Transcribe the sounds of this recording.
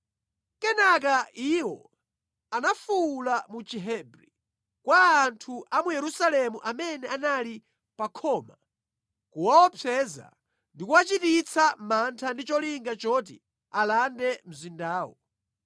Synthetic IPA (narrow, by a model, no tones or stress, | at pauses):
kɛnak̬aʔiwɔ̰ | anafulamut͡ʃiɦɛbɾi | kwaːntʰuʔamujɛɾusalɛmuʔamɛnɛanali | pakʰɔːma | kuwawɔpʰɛza̰ | ndikuwat͡ʃitit͡sʰamantʰandit͡ʃɔliŋɡat͡ʃɔt̬ḭ | alandɛm̩zindaːwɔ